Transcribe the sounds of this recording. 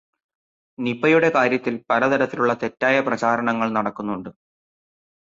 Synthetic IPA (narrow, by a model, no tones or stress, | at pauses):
nipːɐjuɽe̞kaːɾjɐt̪ːilpɐɾɐd̪ɐɾɐt̪ːiluɭːɐt̪e̞tːaːjɐprɐt͡ɕaːɾɐɳɐŋːɐɭnɐɽɐkːunːuɳɖɨ